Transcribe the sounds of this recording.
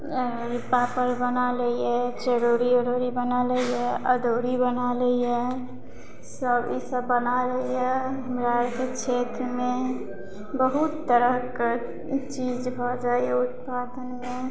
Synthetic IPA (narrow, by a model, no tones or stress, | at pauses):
ɾɪpapəɾbənaləiɛt͡ʃəɾoɾiəɾoɾibənaləiɛəd̪oːɾibənaləiɛ | səbisəbːənaləiɛɦəmɾaɾkekʃʰet̪ɾəmẽ | bəɦut̪ːəɾəɦk | t͡ʃid͡ʒbʱɔd͡ʒaːieʊt̪̚pad̪ənmẽ